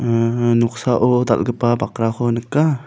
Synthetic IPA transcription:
ənuksaʔot̪a̰lɡəpabakɾakonəka

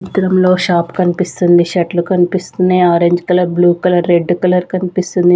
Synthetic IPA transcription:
t̪ɾɐmlo̞ːʃaːpkɐnipist̪und̪iʃɐʈlukɐnipist̪uneːaːɾeɲd͡ʒkɐlɐɾbluːkɐlɐɾːe̞ɖːukɐlɐɾkɐnipist̪und̪i

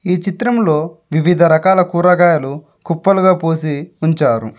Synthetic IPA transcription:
iːt͡ʃit̪ɾɐmlo̞ːʋiʋid̪ʱɐɾɐkaːlɐkuːɾɐɡaːjɐlu | kupːɐluɡaːpoːsiuɲt͡ʃaːɾṵ

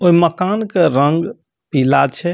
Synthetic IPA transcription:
oiməkankeɾəŋɡ | pilat͡ʃʰɛ

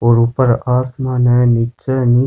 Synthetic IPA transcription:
ɔɾupːɐɾaːsmaːnɐnɪt͡ʃːɐni

